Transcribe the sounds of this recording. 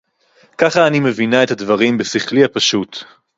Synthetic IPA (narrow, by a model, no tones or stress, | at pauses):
kaχaːnime̞vinae̞t̪had̪vaʁimbesiχlihapaʃut̪